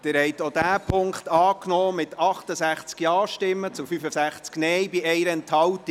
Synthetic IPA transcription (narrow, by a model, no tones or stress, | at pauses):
d̥ɪːɾhɛɪt̪odæːpʰʊŋkχt̪ɑːknɔːmɪtɑχtəsæχt͡skjɑːʃtɪmːət͡sʊfyfəsæχt͡sknɛjbiɛjɾəɛnthɑwti